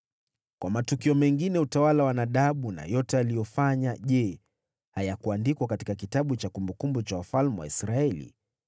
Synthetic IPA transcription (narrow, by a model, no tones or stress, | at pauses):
kwamatukiɔmɛŋɡinɛutawalawanaɗaɓuna̰jɔtɛalijɔfaɲaʄɛ | hajakuandikwakati̥kakitaɓut͡ʃakumbukumbut͡ʃawafalmɛwa̰isɾaɛlḭ